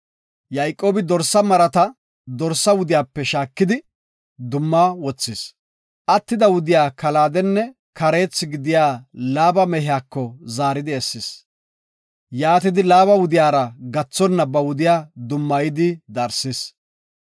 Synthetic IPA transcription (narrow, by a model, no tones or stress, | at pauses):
jɐjkʼːo̞ːbɪd̪ɔɾsːɐmɐɾɐt̪ɐ | d̪ɔɾsːɐwʊd̪ɪjaːpːɛʃaːkːɪd̪ɪ | d̪ʊmːawɔt͡sːɪs | ʔɐt̪ːɪd̪ɐwʊd̪ɪjaːkɐlaːd̪ɛnːɛ | kɐɾe̞ːt͡sːɪɡɪd̪ɪjaːlaːbɐmɛɦɪjaːkːɔzaːɾɪd̪ɪɛsːɪs | jaːt̪ɪd̪ɪlaːbɐwʊd̪ɪjaːɾɐɡɐt͡sːɔnːɐbɐwʊd̪ɪjaːd̪ʊmːɐjɪd̪ɪd̪ɐɾsɪs